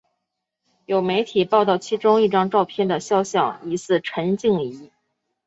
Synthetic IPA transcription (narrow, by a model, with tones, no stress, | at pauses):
jo˨˩ʊme˧˥ɪt̪ʰi˨˩pɑ˥˧ʊt̪ɑ˥˩ʊt͡ɕʰi˥ʈ͡ʂʊ˥ŋi˥˩ʈ͡ʂɑ˥ŋʈ͡ʂɑ˥˧ʊpʰjɛ˥˩nd̪ə˩ɕjɑ˥ʊɕjɑ˥˩ʊi˧˥sɹ̩˥˩ʈ͡ʂʰə˧˥nt͡ɕi˥˩ŋi˧˥